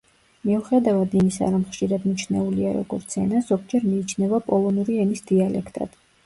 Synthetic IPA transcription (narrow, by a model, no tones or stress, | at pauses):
miuχɛd̪avad̪imisa̰ɾɔmχʃiɾad̪nit͡ʃʰnɛ̰uliaɾɔ̰ɡ̥ɔɾt̪sʰɛ̰nazɔɡd͡ʒɛɾmiːt͡ʃʰnɛvapʼɔlˠɔnuɾiɛnisd̪̥ialɛ̰kʰt̪ʼa̰d̪̥